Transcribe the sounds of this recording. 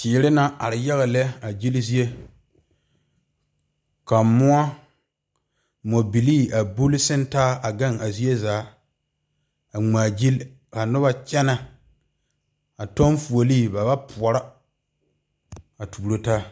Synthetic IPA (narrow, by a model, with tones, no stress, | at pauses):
t͡ʃɪː˨ɾɪ˦na˦ʔa˨ɾɪ˨ja˦ɣa˨lɛ˦a˨d͡ʒi˦lzi˦e˦ | ka˨mʊ˦a˦ | mo˨bi˨liː˦a˨bu˦lɪ˦sɪ˦ntaː˦a˨ɡa˦˨ŋa˨zi˦e˦zaː˨˦ | a˨ŋ͡maː˨d͡ʒi˦l | ka˨nʊ˦βa˨t͡ʃɛ˦na˨ | a˨to˦nfu˨o˨liː˦˨ba˨ba˦pʰʊ˨ɔ˨ɾa˦ | a˨tuː˨ɾo˦taː˦